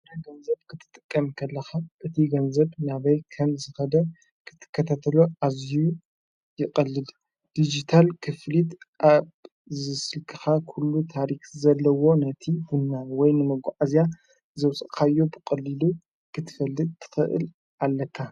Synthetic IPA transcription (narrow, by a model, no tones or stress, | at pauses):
ɾɐɡɐnzɐb̚kʰɨt̪ʰɨ̥t̪ʼɨkʼːɐmkʰɐlːɐxaʔɨt̪ʰiɡɐnzɐbnaβɐjkʰɐnzɨxɐd̪ɐ | kʰɨ̥t̪ʰːɨ̥kʰːɐt̪ʰat̪ʰɐloʔazu | jɪkʼɐlːɨd | d̪̥id͡ʒit̪ʰalkʰɨflit̪ʔaβ | zɨsɨlkʰɨ̥xakʰulːut̪ʰaɾixzɐlːɐwo̞nɐt̪ʰihunːawɔjnɨmɐɡʷa̰ʕazja | zɐwsʼɨʔkʰajːo̞bɨkʼɐlːilu | kʰɨt̪ʰɨ̥fɐlːɨd̪̚t̪ʰɨ̥xɨʔɨ̰l | ʔalːɐt̪ʰa